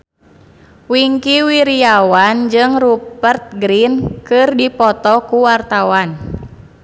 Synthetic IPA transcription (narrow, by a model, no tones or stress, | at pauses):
wiŋkiwiɾiawand͡ʒɨŋrupərt̪̚ɡɾinkɨrdipɔt̪ɔkuwart̪awan